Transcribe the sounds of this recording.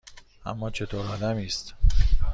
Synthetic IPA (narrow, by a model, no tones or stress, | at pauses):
ʔæ̰mːɒːt͡ʃʰet̪ʰoːɾɒːd̪æmiːst̪